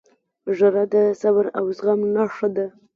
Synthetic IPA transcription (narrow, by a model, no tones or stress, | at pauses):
ʐaɾad̪əsabaɾawzɣamnɑʂad̪a